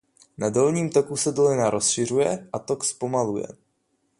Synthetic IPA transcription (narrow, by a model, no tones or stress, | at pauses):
nado̞lɲiːmt̪o̞kusɛdolɪnaɾʔo̞sʃɪr̝ujɛʔat̪o̞kspo̞malujɛ̰